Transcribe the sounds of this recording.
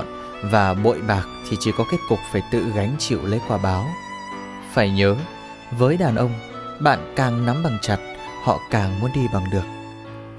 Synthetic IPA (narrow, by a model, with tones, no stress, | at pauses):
n | vaː˨˩ɓo̰˧˨jɓaː˨˩k̚t̪ʰi˨˩t͡ɕi˧˩kɔ˨˦ke˦˥t̚kʊ˨˩k͡p̚faː˧˩jt̪ɨ̰˧˨ɣa˨˦jŋ̟t͡ɕḭ˧˨wlḛ˧˥kwaː˧˩ɓaː˨˦w | faː˧˩jɲəː˨˦ | vəː˨˦jɗaː˨˩nʔə˧wŋ͡mɓa̰ː˧˨nkaː˨˩ŋna˨˦mɓa˨˩ŋt͡ɕa˨˩t̚ | hɔ̰˧˨kaː˨˩ŋmu˨˦ənɗi˧ɓa˨˩ŋɗɨ˨˩ək̚